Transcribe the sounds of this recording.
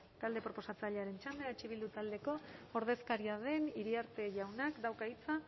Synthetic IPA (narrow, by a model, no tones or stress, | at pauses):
t̪ald̪e̞pɾo̞po̞sat͡saʎeaɾe̞nt͡ʃand̪eat͡ʃiβ̞ild̪ut̪ald̪e̞ko̞oɾð̞e̞skaɾiað̞e̞niɾiaɾt̪e̞ʝawnakd̪awkait͡sa